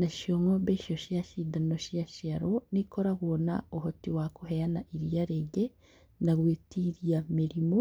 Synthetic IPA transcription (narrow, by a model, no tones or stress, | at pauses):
naʃoŋoβeːʃoʃjaʃiːdanoʃjaʃaɾonikoɾaɣona̰ohotiwakuɦejanaʔiɾijaɾeɡe | naɣweːtiɾijamiɾimo